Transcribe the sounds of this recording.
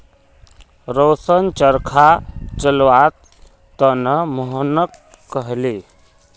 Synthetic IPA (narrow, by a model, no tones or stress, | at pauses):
ɾosənt͡ʃəɾkʰat͡ʃəlwat̪ː | ənəməɦənəkː | əɦli